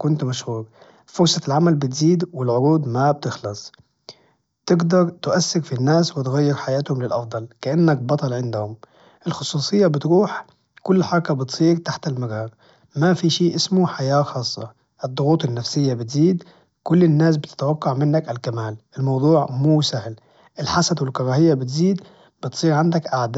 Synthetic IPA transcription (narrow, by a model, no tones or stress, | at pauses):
kʊnt̪maʃhuːɾ | fʊɾsˤɑlʕamalbɪt̪ziːd̪wɪlʕʊɾuːd̪mab̚t̪ɪxlɑsˤ | t̪ɪɡd̪ɑɾˤt̪ʔasːɪɾfinːaːswɪt̪ɣajːɪɾħajaːt̪hʊmlɪlʔɑfd̪ˤɑlkaʔanːak̚bɑt̪ˤɑlʕɪnd̪hʊm | ʔɪlxʊsˤuːsˤɨjːabɪt̪ɾuːħ | kʊlːħɑɾˤɑkabɪt̪sˤiːɾt̪aħt̪ɪlmaɾɑːɾ | mafiʃiːʔɪsmʊħajaːxɑːsˤːɑ̰ | ʔɨd̪ˤːʊɣuːt̪ˤɪnːafsɪjːabɪt̪ziːd̪ | kʊlːɪnːaːsbɪt̪ɪ̥t̪wɑqːɑʕmɪnːakalkamaːlʔɪlmɑwd̪ˤuːʕmuːsahl | ʔɪlħasad̪wɪlkɑɾˤɑːhɪjːabɪt̪ziːd̪ | b̥ɪt̪sˤiːɾʕand̪akʔaʕd̪a